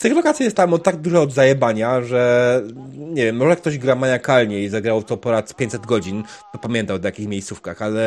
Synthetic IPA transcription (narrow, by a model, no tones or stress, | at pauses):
st̪ɨxlɔkat̪sʲiɛst̪amɔt̪ːaɡ̚d̪uʐaɔd̪zajɛbaɲaʐɛ | ɲɛvjɛmːɔʐɛkt̪ɔʑɡɾamaɲakalɲɛizaɡɾawt̪ɔpɔnat̪pʲeɲt̪ʲsɛd̪ɡɔd͡ʑint̪ɔpamʲjɛnt̪awɔt̪jakʲixmʲejssufkaxalɛ